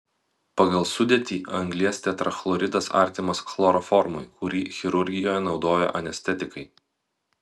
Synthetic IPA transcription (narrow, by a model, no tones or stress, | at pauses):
pɐɡɐlˠsʊd̪ʲeɛt̪ʲiːʔɐŋɡlʲiɛst̪ʲɛt̪ɾɐxlˠɔɾʲɪd̪ɐsɑ̰ˑɾʲt̪ʲɪmɐsklˠɔɾɔfɔɾmʊjkʊɾʲiːxʲɪɾʊɾʲɡʲɪjoːjɛnɒʊd̪oːjɛ̰ʔɐnʲɛsʲt̪ʲɛt̪ʲɪkɐɪ